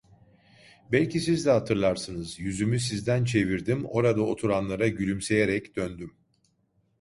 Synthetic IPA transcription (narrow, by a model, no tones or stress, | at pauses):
bɛlʲcʰisizd̪ɛɦat̪ʰɯɾlˠaɾsɯnɯzjyzymys̬izd̪ænt͡ʃʰe̞viɾd̪imo̞ɾad̪ao̞t̪ʰuɾanlˠaɾaɟylʲymse̞jeɾɛcd̪̥ønd̪ym